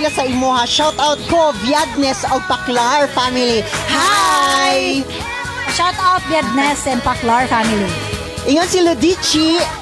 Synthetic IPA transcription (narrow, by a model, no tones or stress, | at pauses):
lasɐɪmohaʃawt̪awt̪̚kovjad̪̚nɛsɔɡ̚pɐklaɹfamɪlihaj | ʃawt̪awt̪̚bjad̪̚nɛsɛnpaklaɹfamɪli | ʔɪŋonsilʊd̪it͡ʃi